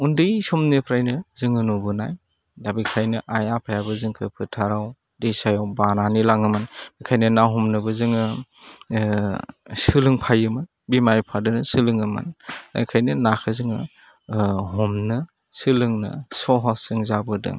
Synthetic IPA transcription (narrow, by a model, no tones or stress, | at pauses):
undɯjsɔmnɯpʰɾajnɯzɯŋɯnubɯnaj | dabikʰajnɯʔajapʰajabɯzɯŋkʰɯpʰɯtʰaɾaw | dejsajawbananilaŋɯmɯnmɯkʰajnɯnaɦɔmnɯbɯzɯŋɯ | sɯlɯŋpʰajɯmɯn | bimajpʰadɯnɯsɯlɯŋɯma̰nd̥abikʰajnɯnakʰɯzɯŋɯ̰ | ɦɔmnɯ | sɯlɯŋnɯ̰sɔɦasɯŋzabɯdɯ̰